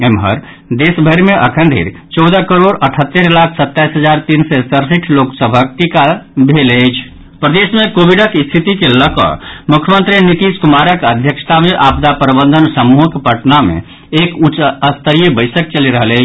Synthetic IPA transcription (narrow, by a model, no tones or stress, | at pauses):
emɦə̰ɾ | d̪esbʱəɾmeʔəkʰənd̪ʱḭɾt͡ʃɔwd̪əkəɾoɽəʈʰət̪ːeɾlakʰsət̪ːajsɦəd͡ʒaɾt̪insɛsəɾsiʈʰloksəbʱək̚ʈikabʱeləjt͡ʃʰ | pɾəd̪esmekobʱiɖəkist̪ʰit̪ikeləkə̰mukʰjəmənt̪ɾinit̪iskumaɾəkəd̪ʱjəkst̪ameʔabd̪apɾəbə̃nd̪ʱənsəmuɦəkepəʈnamḛ | ekut͡ʃəst̪əɾijəbəɪsək̚t͡ʃəliɾəɦələt͡ʃʰ